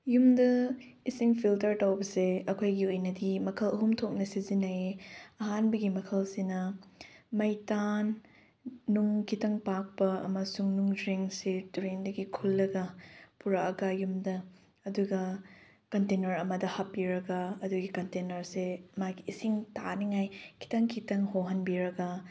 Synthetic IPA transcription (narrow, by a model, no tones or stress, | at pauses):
jumdɐisiŋpʰiltɐɾtɐwbɐseɐkʰojɡiojnɐdimɐkʰɐlɐɦumtʰok̚nɐsizinɐeɐɦanbɐɡimɐkʰɐlsinɐ | mɐjtanː | uŋkitɐŋpak̚pɐɐ̰mɐsuŋnuŋdɾiŋsituɾendɐɡikʰulːɐɡɐpuɾaɐɡajumdɐ | ɐduɡɐ | kɐntenɐɾɐmɐdɐhɐpːiɾɐɡɐɐduɡikɐntenɐɾsemaɡiːsiŋtaniŋajkʰi̥tɐŋkʰitɐŋhowɦɐnbiɾɐɡɐ